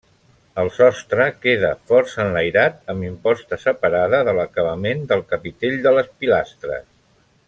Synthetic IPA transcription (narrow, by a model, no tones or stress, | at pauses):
əlˠsɔst̪ɾəkeðəfɔɾsənləjɾat̪̚əmbimpɔst̪əsəpəɾaðəðələkəβəmend̪əlˠkəpit̪eʎd̪ələspilast̪ɾə̰s